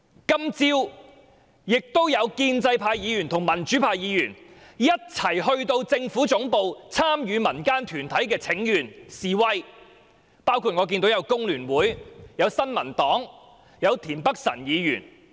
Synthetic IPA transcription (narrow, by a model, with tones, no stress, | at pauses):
kɐ˥mt͡siː˥w | jɪ˨k̚t̪o˥wjɐ˨˧wkiː˧nt͡sɐ˧jpʰaː˧jjiː˨˧jyː˨˩nt̪ʰʊ˨˩ŋmɐ˨˩nt͡ʃyː˨˥pʰaː˧jjiː˨˧jyː˨˩njɐ˥t̚t͡sʰɐ˨˩jhɵ˧ɥt̪o˧wt͡sɪ˧ŋfuː˨˥t͡sʊ˨˧˥ŋpo˧wt͡sʰaː˥mjyː˨˧mɐ˨˩nkaː˥nt̪ʰyː˨˩nt̪ʰɐ˨˥jkɛː˧t͡sʰɪ˨˥ŋjyː˨˩nsiː˨wɐ˥j | paː˥wkʰu˧t̚ŋɔː˨˧k̬iː˧nt̪o˨˥wjɐ˨˧wkʊ˥ŋlyː˨˩nwuː˨˥jjɐ˨˧wsɐ˥nmɐ˨˩nt̪ɔː˨˥ŋ | jɐ˨˧wt̪ʰiː˨˩npɐ˥k̚sɐ̰˨˩njiː˨˧jy̰ː˨˩n